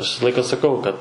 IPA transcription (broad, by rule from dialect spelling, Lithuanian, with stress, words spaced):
ɐʃ ˈʋʲɪsɐ ˈlˠɐɪkɐ sɐˈkɐʊ kɐt